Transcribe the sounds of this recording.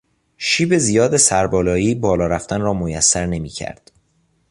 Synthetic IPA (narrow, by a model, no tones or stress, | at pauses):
ʃiːbe̞zijɒːd̪esæɾbɒːlɒːiːbɒːlɒːɾæft̪ænrɒːmojæsːæɾne̞mḭːcʰæ̰ɾd̪̥